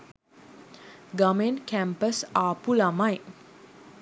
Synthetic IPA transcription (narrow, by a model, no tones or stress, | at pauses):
ɡamenkæmpəsaːpulamaj